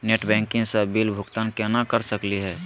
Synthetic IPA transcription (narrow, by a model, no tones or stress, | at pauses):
neːʈbɛ̃ːŋkɪ̃ŋsabilbʱʊɡt̪aːnkɛnakəɾsəkliɦɛː